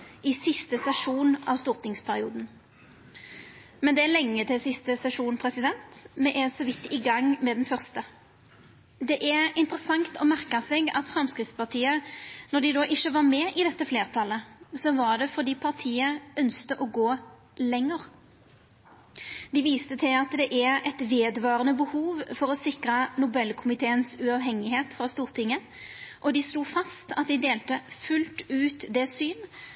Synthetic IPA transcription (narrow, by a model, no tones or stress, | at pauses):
ɪsɪst̪əsɛʂuːnɑ̰ʋst̪uːʁt̪ɪŋspʰæɾɪuːd̪n̩ | mɛnd̪ɛæʁlɛŋːət̪ʰɪlsɪst̪əsɛʂuːnpʰɾɛsɪd̪ɛnt̪mɛʔɛnsɔʋɪt̪ːɪɡɑŋːmɛd̪ɛnfœʁst̪ə | d̪ɛʔæɪnt̪əɾəsɑŋt̪ɔmæʁkɑsɛɡɑt̪fʁɑmskɾɪt̪spɑʁt̪ʰiːənɔd̪ɪd̪oːʔɪçːəʋɑʁmɛʔɪd̪ɛt̪ːəfleːʁt̪ʰɑlːəsɔʋɑʁɖ̪ɛfɔʁd̪iːpʰɑʁt̪ʰiːəœnst̪əʔɔɡoː | lɛŋːəʁ | d̪ɪʋiːst̪ət̪ʰɪlɑt̪d̪ɛʔæɾɛt̪ʋeːd̪ʋɑːʁənəbəhuːʋfɔɾɔsɪkʁənʊbɛlkʰʊmɪt̪ʰeːənsʉɑːʋɦɛŋːɪheːt̪fɾɑst̪uːʁt̪ʰɪŋːə | ʔɔd̪ɪsluːfɑst̪ɑt̪̚d̪ɪd̪eːlt̪əfʉlt̪ʉːt̪d̪ɛsyːn